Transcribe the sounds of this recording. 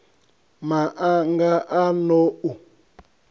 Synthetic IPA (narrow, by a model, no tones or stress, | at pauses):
maʔaŋɡaʔanɔu